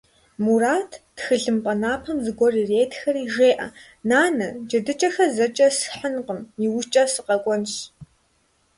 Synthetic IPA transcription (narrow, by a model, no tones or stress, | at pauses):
muraːtʰtxɨɮɨmpʼɐnaːpʰɐmzɨɡʷɔrireːtxɐriːʒeːʔɐ̰ | naːnɐd͡ʒɐdɨt͡ʃʼɐxɐzɐt͡ʃʼɐsħənqəmiwʊt͡ʃʼɐsɨqɐkʷʼɔnɕ